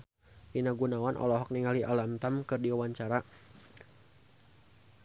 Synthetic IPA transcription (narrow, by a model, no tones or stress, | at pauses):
inaɡunawanʔɔ̰lɔɦɔk̚niŋaliʔalamt̪amkɨrdiwawaɲt͡ʃaɾa